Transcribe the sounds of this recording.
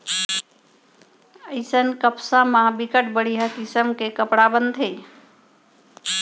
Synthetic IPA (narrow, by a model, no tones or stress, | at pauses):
əɪsənkəpsãmãbikəʈ̚bəɽ̤ijɦəkisəmkekəpɽabənd̪ʱɦe